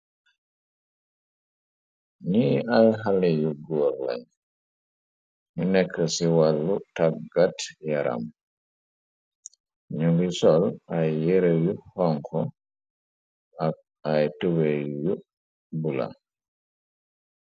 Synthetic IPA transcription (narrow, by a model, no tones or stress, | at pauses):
niajɦalɛjuɡɔːɾla̰ɲ | ɲunɛkʰːəsiwalːutakɡatjaɾʔa̰m | ɲuŋɡisɔlajːeɾejuhɔŋkʰɔ | a | ajtuweju | bula̰